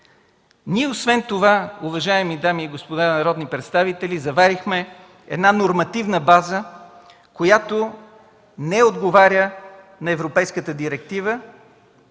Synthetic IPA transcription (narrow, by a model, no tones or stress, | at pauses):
niɛosvɛnt̪ovauvɐʒaɛmid̪amiːɡospod̪anɐɾɔd̪nipɾɛt̪st̪avit̪ɛlizɐvaɾixmɛ | ɛ̰d̪nanoɾmɐt̪ivnəbazə | kojat̪o | nɛod̪ɡovaɾʲjə | nɐɛvɾopɛjskət̪əd̪iɾɛk̚t̪ivə